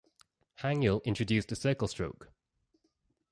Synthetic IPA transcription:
hãŋjəlɪ̃nt͡ʃɹ̥ədʉˑstəsɜˑkəlˠstɹ̥oʊk

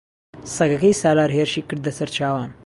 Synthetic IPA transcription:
sɐɡɐkɐjsaːlaːɾɦeːɾʃikːɾd̪ɐsɐɾt͡ʃʰaːʋaːm

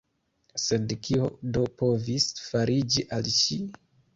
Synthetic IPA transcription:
se̞dkiodo̞po̞visfaɾʔid͡ʒiʔalʃi

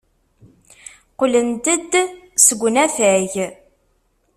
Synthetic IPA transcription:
qolənt̪əd̪səɡʷnæθæʝ

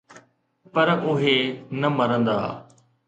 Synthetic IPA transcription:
pɐɾʔʊɦenɐmɐɾə̃nd̪a̰ː

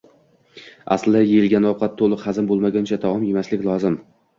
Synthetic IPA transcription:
a̰slɪd̪ajejɪlˠɡʲanɒwqʰɑt̪ʰːolˠɨqhazɪmbolˠmaɡʲant͡ʃʰat̪ʰavɒmjemaslɪkʲlˠɒzɪm

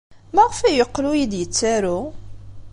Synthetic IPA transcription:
mæʁfæjəqːlujid̪jət͡sːaɾu

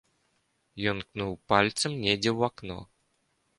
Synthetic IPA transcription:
jɔnknuwˠpalʲt̪səmnʲedʲewaknɔ̰

